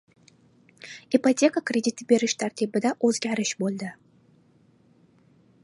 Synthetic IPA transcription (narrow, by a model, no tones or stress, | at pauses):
ipat̪ʰʲe̞kakɾʲe̞d̪it̪ʰɪbe̞ɾɪʃt̪ʰaɾt̪ʰibɪd̪aʔɵzɡʲaɾɪʃbolˠd̪ɪ